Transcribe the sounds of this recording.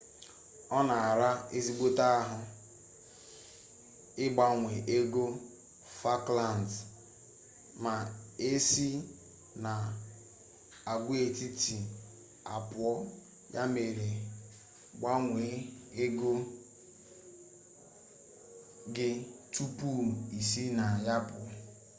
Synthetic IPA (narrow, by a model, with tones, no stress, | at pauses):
ɔ˦na˨a˨ɾa˦e˦zi˦ɡ͡bo˦ta˦ɦʊ˨ | ɪ˦ɡ͡ba˦ŋʷe˨ʔe˦ɡo˦ | fa˦kla˦˨n˨d | ma˨e˦si˦ | na˨ | a˨ɡʷe˨ti˦ti˨ | a˨pʊ˨ɔ˦ | jʔa̰˦me˨ɾe˨ | ɡ͡ba˦ŋʷe˨˦e˦ɡo˦ | ɡɪ˦tu˦pu˦˨i˨si˦na˨ja˦pʊ˨ɔ˦